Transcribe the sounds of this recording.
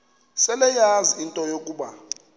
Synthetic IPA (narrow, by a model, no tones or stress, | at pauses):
sɛlɛjaziintʼɔjokʼuːɓa